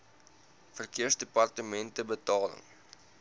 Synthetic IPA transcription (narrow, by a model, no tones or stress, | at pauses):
fərkiərsdepɐrtəmɛntəbətɑːlə̰ŋ